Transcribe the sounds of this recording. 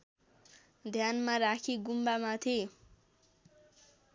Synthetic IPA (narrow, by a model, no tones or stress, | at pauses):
d̪ʱjanmaɾakʰiɡumbamat̪ʰe